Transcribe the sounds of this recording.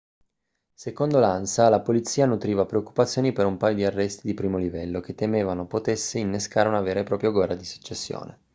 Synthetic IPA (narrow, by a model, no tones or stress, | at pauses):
sekond̪olansalapolit̪sːiːanut̪ɾiːvapɾeokːu̥pat̪sːjoːnipeɾumpaːjod̪iarːɛst̪id̪ipɾiːmolivɛlːok̟et̪ːemeːvanopot̪esːeinːeskaːɾeunaveːɾepɾɔːpɾjoɡwɛrad̪isu̥t͡ʃːesːjo̰ːnḛ